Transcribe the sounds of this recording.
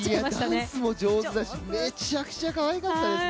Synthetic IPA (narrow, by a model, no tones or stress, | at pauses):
iiad̪asɨmo̞d͡ʑo̞ːzɨd̪aɕime̞t͡ɕakɯ̥t͡ɕakaβajikat̪ːãns